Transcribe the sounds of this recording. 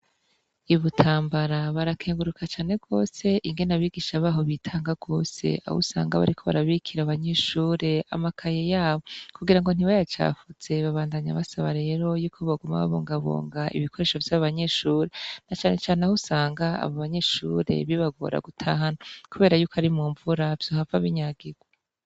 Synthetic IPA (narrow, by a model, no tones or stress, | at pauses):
iβutʰaːmbaɾaβaɾakʰeːŋɡuɾukʰat͡ʃaːne̞b̚ɡo̞ːse̞ʔiŋɡe̞naβiːɡiːʃaβaːɦo̞βitʰaːŋɡaɡ̥o̞ːse̞̰a̰hṵsa̰ːŋɡa̰βa̰ɾikʰo̞βa̰ɾaβikʰiɾaβaɲe̞ʃuːɾe̞a̰makʰajejaːβo̞kuɡiɾaŋɡo̞n̥iwajat͡ʃa̰ːfuz̥e̞βaβaːndaɲaβasaβaɾe̞ːɾo̞juːkʰo̞βaɡuma̰βa̰βoːŋɡaβo̰ːŋɡaʔḭβikʰo̞ɾe̞ːʃo̞vjaβaβaɲe̞ʃuːɾenat͡ʃaːne̞t͡ʃaːneahusaːŋɡaa̰βoβaɲe̞ʃṵɾe̞̰βiβaɡo̰ɾa̰ɡutʰaɦanokuβe̞ːɾajukoaɾimuːɱvuɾav̥j̥ohavaβiɲaːɡiɡwa